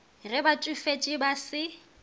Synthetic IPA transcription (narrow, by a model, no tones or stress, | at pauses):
rɪbat͡ʃʼʊfet͡ʃʼɪbasɪ